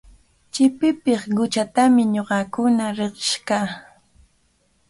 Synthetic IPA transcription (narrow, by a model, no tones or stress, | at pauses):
t͡ʃɪpɪpɪχɢʊt͡ʃat̪amɪɲoɢɑkʊnaɾeqɪ̥ʃkaː